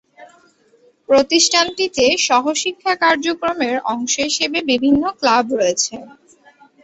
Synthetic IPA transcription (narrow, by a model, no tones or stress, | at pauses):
pɾot̪iʃʈʰanʈit̪eʃɔɦoʃikʰːakaɾd͡ʑokɾomeɾɔŋʃoɦiʃebebibʱinːoklabɾoet͡ɕʰe